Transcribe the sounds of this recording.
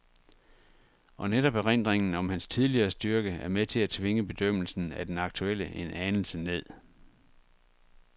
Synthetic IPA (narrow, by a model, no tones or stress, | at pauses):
ʔɒ̽neɾ̥ɒ̽b̥ʁen̰d̥ʁeŋn̩ɒ̽mhænst͡sʰið̞ˠliɐːsd̥yɐɡ̥əæɐmet͡sʰe̝læt͡sʰʋe̝ŋəb̥e̝d̥øm̰l̩sn̩æd̥enɑ̈ɡ̥̚t͡sʰuel̰əʔenʔænl̩səne̝ð̞̰ˠ